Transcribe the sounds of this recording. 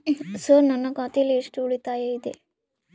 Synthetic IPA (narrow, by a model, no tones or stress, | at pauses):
sɐɾnɐnːɐkaːt̪ijɐlːieʂʈuuɽit̪aːjɐid̪ḛ